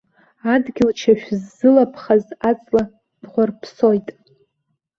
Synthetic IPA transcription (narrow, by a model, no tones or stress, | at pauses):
adɡʲɪlt͡ʃʰaʃᶣzːɨlapʰχazat͡sʼla | d̥ʁʷarpʰso̞jtʼ